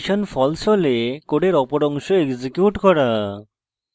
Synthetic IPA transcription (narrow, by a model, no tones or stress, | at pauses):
ʃɔnfʰɔlsɔlekoɖeɾɔpoɾɔŋʃoekzikjuʈkɔɾa